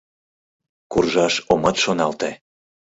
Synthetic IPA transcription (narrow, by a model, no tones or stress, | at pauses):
kurʒɑʃomɤt̪ʃonɑlt̪e